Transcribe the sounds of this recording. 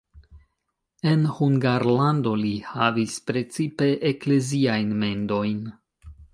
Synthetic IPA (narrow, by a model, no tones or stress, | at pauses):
e̞nhuŋɡaɾlando̞lihavispɾe̞t͡sipe̞ʔekle̞ziajnme̞nd̪o̞jn